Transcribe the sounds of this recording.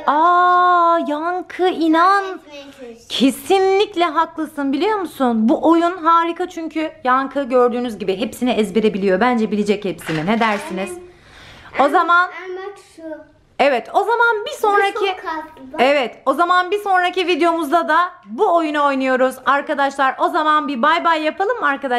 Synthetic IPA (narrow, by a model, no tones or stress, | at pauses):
a | jaŋkʰɯinan | cʰe̞sinlʲiclʲɛɦaklˠasɯnbilʲijo̞musunbuʔo̞junɦaːɾikʰat͡ʃʰyɲcʰyjaŋkʰɯɟø̞ɾd̪yːnyzɟibiɦepsiniɛzbeɾe̞bilʲijo̞bænd͡ʒɛbilʲed͡ʒɛchepsimined̪æɾsiniz̥ | o̞zaman | evɛt̪o̞zamanbiso̞nɾakʰi | evɛt̪o̞zamanbiso̞nɾacivid̪ejo̞muzd̪ad̪abuo̞junao̞jnujo̞ɾuzaɾkad̪aʃlˠaɾʔo̞zamanbibajbajːapʰalˠɯmːaɾkad̪a